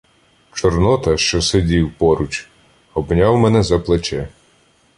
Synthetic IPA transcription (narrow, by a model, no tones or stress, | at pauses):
t͡ʃɔrnɔt̪ɐʃt͡ʃɔsedʲiwpɔɾʊt͡ʃ | ɔbnʲawmɛnɛzɐplˠet͡ʃɛ